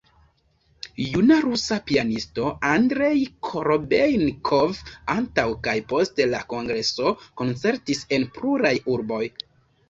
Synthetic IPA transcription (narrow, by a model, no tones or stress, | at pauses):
junaɾusapianisto̞andɾe̞jkʰoɾobejnkʰovantawkajpo̞stelako̞ŋɡɾe̞so̞ko̞nt͡se̞ɾtise̞npluɾajuɾbo̞j